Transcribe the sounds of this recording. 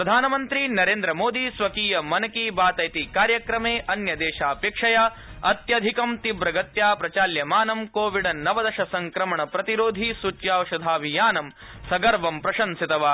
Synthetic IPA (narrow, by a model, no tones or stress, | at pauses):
pɾɐd̪ʱaːnɐmɐnt̪ɾinɐɾeːnd̪ɾɐmoːd̪isʋɐkiːjɐmɐnɐkiːbaːt̪ɐjt̪ikaːɾjɐkɾɐmeːʔɐnjɐd̪eːʃaːpeːkʂɐjaː | ɐt̪jɐd̪ʱikɐmt̪ibɾɐɡɐt̪jaːpɾɐt͡ʃaːljɐmaːnɐmkoːʋiɖɐnɐʋɐd̪ɐʃɐsɐŋkɾɐmɐɳɐpɾɐt̪iɾoːd̪ʱisut͡ʃjaːwɐʂɐd̪ʱaːʋijaːnɐm | sɐɡɐɾʋɐmpɾɐʃɐnsit̪ɐʋaː